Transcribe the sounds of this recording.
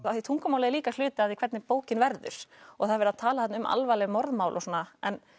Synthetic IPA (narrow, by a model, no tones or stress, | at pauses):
aθit̪ʰuŋkamawlɛðɪliːkaslʏːt̪ɪaθikʰvɛt̪nɪpoːwcɪnvɛɾðʏ̰ɾ̥ɔ̰ɣθaðɾvɛɾaðt̪ʰaːlaθat̪nɪʏma̰lvalɛmɔɾðmaːwlʔɔsɔːnaɛn